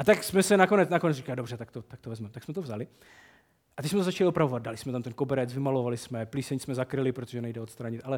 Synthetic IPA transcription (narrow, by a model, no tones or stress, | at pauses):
ʔat̪aksmɛsɛnakonɛt͡snakonɛt͡srikaldobrɛt̪ak̚t̪ot̪ak̚t̪ovɛzmɛmt̪aksmɛt̪ovzalɪ | ʔat̪ɛcsmɛt̪ozat͡ʃaliopɾavovad̪̚dalɪsmɛt̪amt̪ɛnkobɛɾɛt̪vɪmalovalɪsmɛpliːsɛɲsmɛzakɾɪlɪpɾot̪oʒɛnɛjdɛot̪st̪ɾaːɲɪt̪ʔalɛ